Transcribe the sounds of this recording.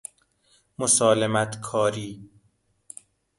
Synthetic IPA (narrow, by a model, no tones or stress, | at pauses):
mosɒːlemæt̪ʰkʰɒːɾiː